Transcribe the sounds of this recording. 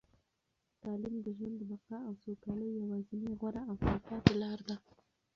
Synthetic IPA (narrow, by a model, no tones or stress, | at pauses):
t̪ɑlimd̪əʒwand̪əbaqɑawsokɑləjjawɑzineɣwaɾaawfikɑp̪əlɑɾd̪a